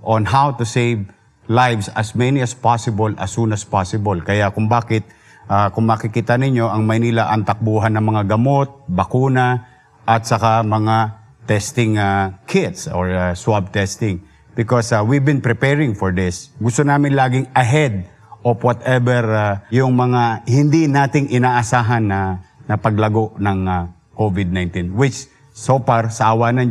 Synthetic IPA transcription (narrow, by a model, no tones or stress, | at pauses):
ʔõnɦawt̪ʊsejv | lajvsɐsmɛniɐspasɪbolʔɐ̰sunɐspasɪbolkɐjakʊŋbaːkɪt̪̚ | ʔakʊŋmɐkɪkit̪ɐnɪɲo̞ʔɐŋmɐjnilaʔɐnt̪ɐk̚buːɦanːɐŋmɐŋaɡɐmot̪̚bɐkuːna | ʔɐt̪̚sɐkamɐŋa | t̪ɛst̪ɪŋakʰɪt̪soɹaswab̚t̪ɛst̪ɪŋ | b̥ɪkoswibɪnpɹɪpɛɹɪŋfoɹd̪ɪsɡʊst̪onaːmɪnlaːɡɪŋɐɦɛd̪̚ | ʔofwɔt̪ɛbɛɹajʊŋmɐŋahɪnd̪inaːt̪ɪŋʔɪnaːʔɐsaːɦɐnːɐnɐpɐɡlɐɡo̞ʔnɐŋa | kovɪd̪̚najnt̪inwɪt͡ʃ | sofaɹsɐʔɐwaːnɐn